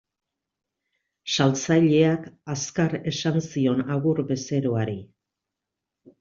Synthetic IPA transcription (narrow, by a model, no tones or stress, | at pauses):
salt͡saʎe̞akaskaɾe̞sansio̞naɣuɾbe̞se̞ɾo̞aɾi